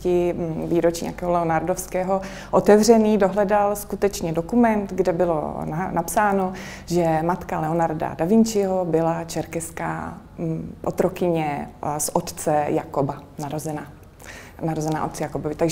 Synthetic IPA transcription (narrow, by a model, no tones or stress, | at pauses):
cɪviːɾot͡ʃiɲ̰a̰kɛːɦolɛonaɾdofskɛːɦo | ʔot̪ɛvr̝ɛniːdoɦlɛdalskut̪ɛt͡ʃɲɛdokumɛnt̪ɡdɛbɪlo̰nanapsaːno | ʒɛmat̪kalɛonaɾda̰davɪɲt͡ʃɪɦobɪlat͡ʃɛɾkɛska̰ː | ʔo̰t̪ɾokɪɲɛsʔot̪t͡sɛjakobanaɾozɛnaː | naɾozɛna̰ːʔot̪t͡sɛjakobovɪt̪aɡʒ